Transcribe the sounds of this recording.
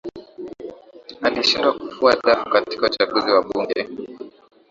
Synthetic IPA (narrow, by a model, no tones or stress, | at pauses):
aliʃindwakufuaɗafukati̥kaut͡ʃaɡuziwaɓuŋɡɛ